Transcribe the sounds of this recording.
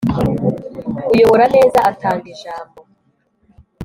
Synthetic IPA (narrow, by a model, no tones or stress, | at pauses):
ujo̞βo̞ɾane̞ːzaatʰaːŋɡiʒaːmbo̞